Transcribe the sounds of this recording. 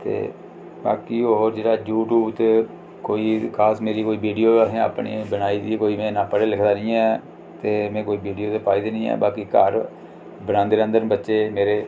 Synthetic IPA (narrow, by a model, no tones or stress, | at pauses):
t̪ḛː | ba̰ːkiːoɦoːɾd͡ʒeːɽaːjuːʈuːbt̪e | koːiːkʰaːsmeːɾiːkoːiːbiːɖijoːəsẽːa̰ːpɳḛːbənaːiːd̪iːkoːiːmɛ̃ːnãːpəɽeːlɪkʰd̪aːnĩːɛː | t̪eːmɛ̃ːkoːiːbiːɖijoːt̪eːpaːiːd̪eːnĩːɛ̰ːbaːkiːkaːɾ | bənãːnd̪eːə̃nd̪ənbətːʃeːmeːɾeː